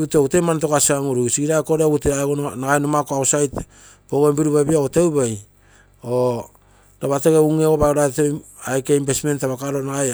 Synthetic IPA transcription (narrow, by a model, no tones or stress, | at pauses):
uteoutemant̬okasiaŋuɾusiɡiɾako̞ɾeouteaɡonnaɡajnomakoaosajt | poɡombiɾuβabiaotewbaj | o | ɾaβateɡeuŋeɡobaoɾaetej | ajkeimbesme̞ntaβakaɾo̞naɡaj